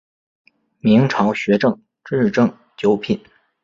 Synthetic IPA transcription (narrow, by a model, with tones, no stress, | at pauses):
mi˧˥ŋʈ͡ʂʰɑ˧˥ʊɕɥɛ˧˥ʈ͡ʂɤ˥˩ŋ | ʈ͡ʂɻ̩˥˧ʈ͡ʂɤ˥˩ŋ | t͡ɕjo˧˥ʊpʰi˨˩˦n